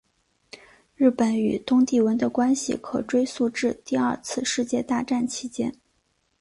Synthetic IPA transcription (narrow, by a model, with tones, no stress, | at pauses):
ɻɻ̩˥˩pə˧˥ny̰˨˩t̪ʊ˥ŋt̪i˥˩wə˧˥nd̪ə˧kwa˥nɕḭ˨˩kʰɤ˨˩ʈ͡ʂwe˥ɪsu˥˧ʈ͡ʂɻ̩˥˧t̪i˥˧ɐ˞˥˧t͡sʰɹ̩˥˧ʂɻ̩˥˧t͡ɕjɛ˥˧t̪a˥˧ʈ͡ʂa˥˩nt͡ɕʰi˧˥t͡ɕjɛ˥n